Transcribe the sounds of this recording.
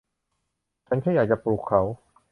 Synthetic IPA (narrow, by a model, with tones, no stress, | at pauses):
t͡ɕʰa˦˥nkʰaː˥˩jaː˨˩k̚t͡ɕa˨˩pluː˨˩kʰːa˩˦w